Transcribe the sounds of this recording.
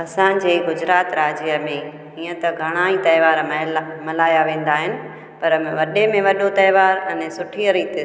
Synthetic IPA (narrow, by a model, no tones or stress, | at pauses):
ɐsã̆ːd͡ʑeːɡʊd͡ʑɾaːt̪ɾaːd͡ʑiəmẽ | iːə̃t̪ɐɡʱɐɽ̃aːit̪ɐɪʋaːɾmɐɦlmɐlaːjaʋẽːn̆d̪aːɦɪnɪ̆ | pɐɾʋɐɗemẽʋɐɗot̪ɐɪʋaːɾɐ̃nsʊʈʰiəɾiːt̪ɪ